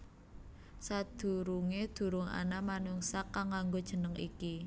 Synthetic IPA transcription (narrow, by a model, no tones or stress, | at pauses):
sad̪̥ṳɾuŋed̪̥ṳɾʊŋa̰namanuŋsakaŋaŋɡod̥ʒ̥ə̤nəŋḭki